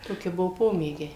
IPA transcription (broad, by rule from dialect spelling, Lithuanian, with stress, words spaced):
ˈtoːkʲɪ ˈbʊʋoː ˈpoːmʲeːɡʲɛɪ